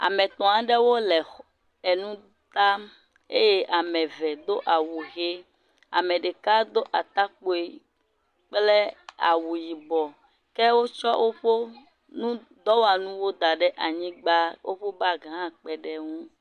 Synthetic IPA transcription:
a̰˨mɛ̃˨t̪ɔ̃˨ã˨ɖɛ˦wo˦lɛ˨ | e˨nũ˦ | t̪a˦ | ḛ˦je˦ʔa˨mɛ̃˨vɛ˨d̪o˦ʔa˨wu˨ɣe˦ | a̰˨mɛ̃˨ɖe˨ka˦d̪o˦ʔa˨t̪a˦k͡po˨e˨ | k͡plɛ˦a̰˨wu˨ji˨bɔ˨ | kɛ˦wo˦t͡ʃɔ˦wʔo˦ɸo˦ | nũ˦ | d̪ɔ˦wo˦a˨nũ˦wo˦d̪a˨ɖɛ˦ʔa˨ɲĩ˦ɡ͡ba˦wʔo̰˦ɸo˦ba˦˨ɡã˨˦˨k͡pɛ˨ɖɛ˦ŋũ˦

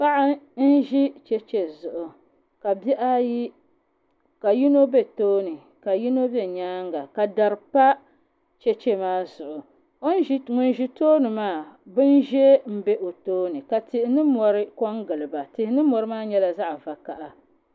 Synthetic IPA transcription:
pa˦ʔa˦n̩˦ʒi˦t͡ʃɛ˦t͡ʃe˨zʊ˨ʔʊ˨ | ka˨bɛ˦ʔa˦ji˦ | ka˨ji˦no˦be˦toː˦nɨ˨ | ka˨ji˦no˦bɛ˦ɲaː˦ŋɡa˨ka˨da˨ɾɨ˨pa˦ | t͡ʃɛ˦t͡ʃɛ˦maː˦zʊ˨ʔʊ˨ | o˦n˦ŋʊ˨nʒi˦toː˦nɨ˨maː˦˨bɨ˦nʒɛ˦m̩˦bɛ˦ʔo˨toː˦nɨ˨ka˨tɪ˨ʔɪ˨nɨ˦mɔ˨ɾɪ˦kɔ˦ŋɡɨ˨lɨ˨ba˨tɪ˨hɪ˦nɨ˦mɔ˨ɾɨ˦maː˦ɲɛ˦la˦za˦ʔva˨ka˨ʔa˨

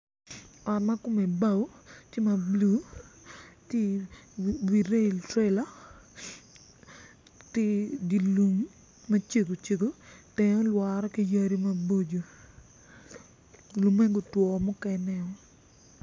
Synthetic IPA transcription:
ɔ˨tma˦ko˦me˨ba˦˨wtje˦ma˨blu˦ | ti˦ | wi˨ɾe˦˨tɾe˦la˦ | ti˦di˨lu˨ŋ | mɐ˦t͡ʃe˨ɡo˨t͡ʃe˨ɡo˨tɛ˨ɲɔ˦lwa˨ɾɔ˦ki˦ja˦ɾi˦ma˦bo˦d͡ʒo˨ | lu˨me˦ɡo˨twɔ˨mʊ˦kɛ˦nɛ˦ɔ˦

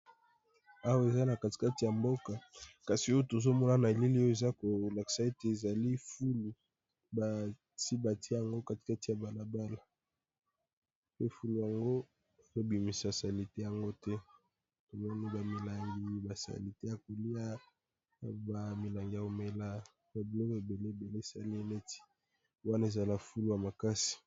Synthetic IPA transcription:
a˦wa˦e˨za˦na˨ka˨ti̥˨ka˦ti˨ja˨mbo˦ka˨ka˨si˨o˦o˦to˨zo˦mɔ˦na˦na˨e˨li˦li˦o˦o˦e˨za˦ko˨la˨ki̥˨sa˨e˦te˨e˨za˨li˦fu˦lu˨ | ba˨ | si˦ba˨ti˦ja˨ŋɡo˦ka˦˨ti̥˨ka˦ti˨ja˨ba˨la˨ba˦la˨ | pe˦fu˦lu˨ja˨ŋɡo˦˨ | ko˨bi˨mi˨sa˨sa˨li˨te˦ja˨ŋɡo˦tɛ˦ | to˨mɔ˦ni˦ba˨mi˨la˨ŋɡi˦ba˨sa̰˨li˨te˦ja˨ko˨li˦a˦˨ | ba˨mi˨la˨ŋɡi˨ja˨ko˨me˨la˦ | ba˨bi˨lɔ˦ke˨be˨le˦e˨be˨le˦e˨sa˦li˦e˦ne˦ti̥˦ | wa˦na˦e˨za˨la˨fu˦lu˨ja˨ma˨ka˦si̥˨

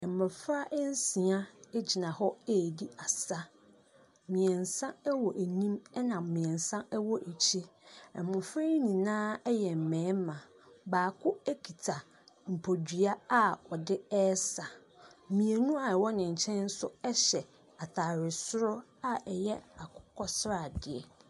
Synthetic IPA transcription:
ɛ˨m˨mʊ̃˨fɾa˦ʔn˦sĩ˨a˦ɛ˦d͡ʑi˨nã˨hɔ˦e˦˨di˦a˨sa˦ | mĩ˨ɛ̃˨n̩˨sã˦ɛ˦wɔ˨ʔæ˨nĩ˦mɛ˦nã˨mmĩ˨ɛ̃˨n˨sã˦ɛ˦wɔ˨ʔe˨t͡ɕʰi˦ɛ˨mʊ̃˨fe˦i˦nĩ˨nãː˦jɛ˨m̩˨mɛ̃ː˨˦mã˨ | baː˨kʰʊ˦æ˦kʰi˨tʰa˨ | m̩˨pʰo˨dɥa˦a˦ɔ˨dɪ˦ɛ˦sa˨ | mĩ˨e˨nũ˦a˨wɔ˦nɪ̃˨ɲ̩˨t͡ɕʰɛ̃˦n̩˦sʊ˦ɛ˦ɕɛ˨ | a˨tʰa˨ɾɪ˨sʊ˦ɾʊ˦a˦ɛ˨jɛ˦a˨kʰʊ˦kʰɔ˦sɾa˨dɪ˨ɛ̰˨

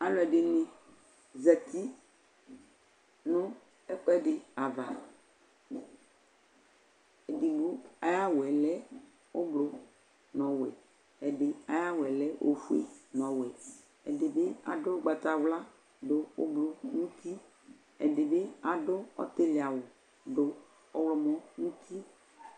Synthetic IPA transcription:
a˦lɔ˦ɛ˨ɖe˨nẽ˨ | zɛ˨t̪i˦ | nõ˦ | ɛ˦k͡pɛ˦ɖɪ˨a˨va˨ | e˨di˨ɡo˦a˨ja˦wo˨ɛ˨lɛ˦ | wo˦blo˦ | nɔ̃˨wɛ̰˨ | ɛ˨de˨a˦ja˦wɛ˨lɛ˦ʔo̰˦fu˦ḛ˦nɔ̃˨wɛ˨ | ɛ̰˨de˨be˦a̰˨dʊ˦ɡ͡ba˨t̪a˨wla˦ | dʊ˦o̰˦blo˦ŋũ˦t̪i˦ | ɛ̰˨de˨be˦a˨ɖʊ˦ɔ̰˦t̪e˦lɪ˨a˨wʊ˨ | dʊ˨ | ɔ˦wlɔ˨mɔ̃˦ŋũ˦t̪ʰi˦

